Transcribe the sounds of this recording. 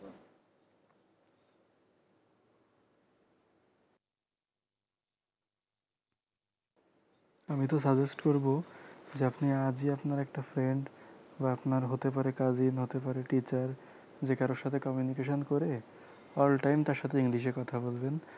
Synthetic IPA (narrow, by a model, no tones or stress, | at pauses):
amit̪os̬ad͡ʑesʈkoɾbod͡ʑeapniad͡ʑiapnaɾɛk̚ʈafɾeɳɖbaapnaɾɦot̪ep̬aɾekad͡ʑinɦot̪epaɾeʈit͡ɕaɾ | d͡ʑekaɾoɾʃat̪ʰekɔmjunikeʃ̬onkoɾe | ɔlʈajmt̪aɾʃat̪ʰeiŋliʃ̬eɾkɔt̪ʰabolben